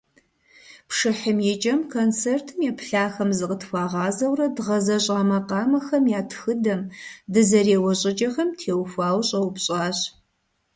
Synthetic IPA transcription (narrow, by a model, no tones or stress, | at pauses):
pʂɨħəmjɛt͡ʃʼɐmkʰont͡sʰeːrtʰɨmjɛpʰɬaːxɐmzɨqʼətʰxʷɑːʁɑːzɐwrɐdʁɐzɐɕʼɑːmɐqɑːmɐxɐmjaːtʰxɨdɐmdɨzɐreːwɐɕʼɪd͡ʒɐxɐmtʰeːwxʷaːwɕʼɐwpɕʼɑːɕ